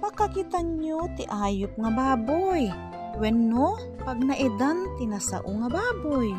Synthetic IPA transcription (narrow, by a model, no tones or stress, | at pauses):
pɐkɐkit̪aɲot̪ɪʔaːjʊp̚ŋɐbaːboj | wɛnːo | pɐɡ̚nɐʔɪd̪ant̪ɪnasa̰ʔoŋɐbaːboj